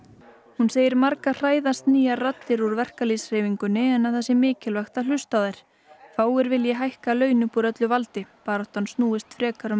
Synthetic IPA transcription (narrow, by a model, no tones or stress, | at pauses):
hunseːjɪɾmaɾkar̥aːjðast̪niːjarat̪lɪɾuɾvɛr̥kalisr̥ejviŋkʏnːɪɛnːaθɛsːɪmɪːcɪlvɛxt̪al̥ʏst̪aðajɾ̥ | faːwɪɾvɪljɛɦajhkalœːɥnʏpuɾœt̪lʏvalt̪ɪpaːɾawht̪ansnuːɪst̪fɾɛːkaɾʏm